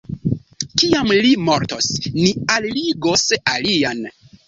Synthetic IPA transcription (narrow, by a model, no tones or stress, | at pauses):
kiamlimo̞ɾtosnialliɡosalian